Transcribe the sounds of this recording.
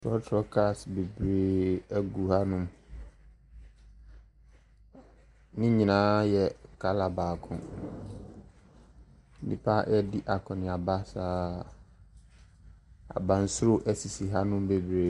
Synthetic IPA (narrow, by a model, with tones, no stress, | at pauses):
tʰɔ˦tʰɾɔ˦kʰa˦˨sbe˨bɾe˨æ˦ɡu˨ha˦nʊ̃˦m | nɪ̃˦ɲĩ˨nãː˦jɛ˨kʰa˨˦la˨baː˨kʰʊ̰̃˨ | n̩˦nḭ̃˨pʰa˦ʔɛ˦dɪ˦ʔa˨kʰɔ̃˨nɪ̃˨a˨ba˦saː˦ | a̰˨bã˨n̩˦sʊ˦ɾo˦ʔæ˦si˨si˨ɦa˦nʊ̃˦m˦be˨bɾe˨